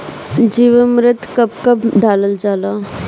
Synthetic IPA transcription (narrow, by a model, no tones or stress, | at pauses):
d͡ʒiːʋəmɾɪt̪kɐp̚kɐpɖaːləld͡ʒaːlaː